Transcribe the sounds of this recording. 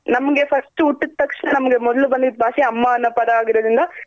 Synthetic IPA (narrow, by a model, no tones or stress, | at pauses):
nɐmɐŋɡefɐsʈɯʊʈːɯt̪ːɐkʂɐnɐnɐmŋɡemɔðɐlɯʋɐnd̪ɯbʱaːseɐmːaːɐnːɐpɐðɐaːɣɪɾɐðɯŋɡaː